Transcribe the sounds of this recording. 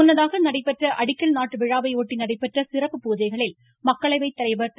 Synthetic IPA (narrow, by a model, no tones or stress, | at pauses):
ʊnːɐðaːɣɐnɐɽɐɪpːɛʈrɐʔɐɽɪkːɐlnaːʈːɯʋɪɻaːʋɐɪoːʈːinɐɽɐɪpːɛʈrɐsɪrɐpːɯpuːd͡ʒɐɪɣɐɭɪl | mɐkːɐɭɐɪʋɐɪt̪ːɐɾɐɪʋɐt̪